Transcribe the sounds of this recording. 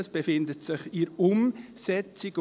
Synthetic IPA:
əsb̥efɪndətsɪχiɾʊm | sɛt͡sik

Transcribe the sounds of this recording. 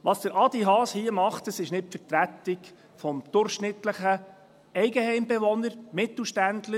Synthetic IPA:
ʋɑsd̥əɾʔɑd̪iɦɑːshiəmɑχtəsɪʃnɪt̚pfəɾt̪ɾæt̪ːɪk | fɔmd̪̥ʊɾχʃnɪt̪ləχə | ɛɪɡəhɛɪmbeʋɔnəɾmɪt̪l̩ˠʃtændlə

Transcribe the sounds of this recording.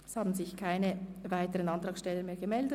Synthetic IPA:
shɑːbn̩zɪçkʰaɪnəvaɪtəʁənɑnt̪ʁɑːksʃtɛlːəmeːɐɡəmɛldə

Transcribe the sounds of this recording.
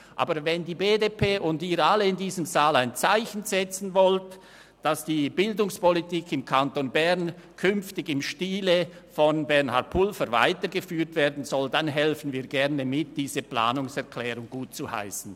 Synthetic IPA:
ʔa̰ːbəvɛndiːbeːdepʰeːʔʊndiːɾaləɪndiːzəmzaːlaɪnt͡saɪçn̩z̥ɛt͡sn̩vɔlt | d̥asd̥iːbɪldʊŋspɔlitiːkʰɪmkʰantonbɛʁnkʰʏnftɪɡɪmʃtiːləfɔnbɛʁnha̰tpʰʊlfəɾva̰ɪtəɡəfyːtv̥eːɐdn̩zɔldanɦɛlfən̩viːɐɡɛʁnəmɪt̚d̥iːzəpla̰ːnʊŋsɛʁkʰlɛːʁʊŋɡ̥uːt̚t͡suha̰ɪsn̩

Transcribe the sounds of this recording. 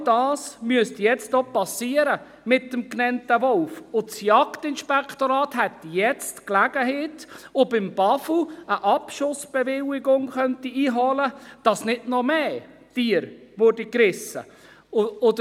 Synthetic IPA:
dɑːsmyəstjɛt͡stopɑsiəɾə | mɪtːəmknɛntəʋɔlfʊsjɑktɪnʃpɛktoɾɑːthɛt̪jɛt͡stklæɡ̥əɦeːtʊbɪmb̥ɑfl̩əʔɑpʃʊsb̥evɪlɪɡʊŋχœntiiːɦɔləd̥ɑsnɪdnɔmeː | d̥iːəɾvʊɾdikɾɪsə̰ | odə

